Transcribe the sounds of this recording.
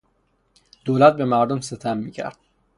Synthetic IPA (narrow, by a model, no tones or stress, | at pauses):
d̪̥oːlæt̪̚bemæɾd̪omset̪ʰæmːiːcʰæ̰ɾd̪̥̚